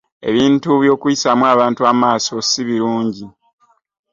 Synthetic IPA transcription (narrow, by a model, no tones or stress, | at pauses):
e̞̰βiːntuβjo̞ːkujisamwaːβaːntuaːmaːso̞siβiɾuːɲɟi